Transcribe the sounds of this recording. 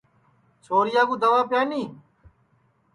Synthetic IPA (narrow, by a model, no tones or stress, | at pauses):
sʰoːɾɪjaːɡuːd̪ɐʋaːpjaːniː